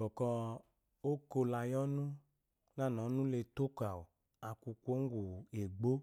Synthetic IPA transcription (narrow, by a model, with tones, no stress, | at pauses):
bɔ˨kɔ˧ | o˦ko˧la˧jɔ˦nũ˦ | na˦˨nɔ˨˦nũ˦le˧t̪o˦ka˨wo˨ | a˨ku˧kʷo˦ŋ˦ɡu˨e˨ɡ͡bo˦